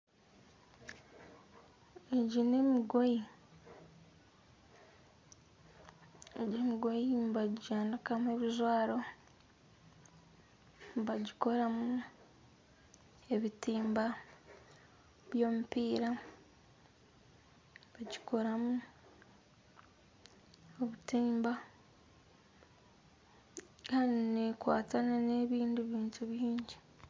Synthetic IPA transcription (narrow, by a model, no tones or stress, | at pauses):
eɟine̞miɡoi | eɟemiɡojimbaɟiɟaːnakamweβizwaːɾo̞ | mbaɟiko̞ɾamu | e̞βitiːmba | βjo̞ːmupiːɾa | βaɟikʰo̞ɾamu | oβutiːmba | kaːninekwa̰ːtananeβiːndiβiːntʰuβjiːɲɟi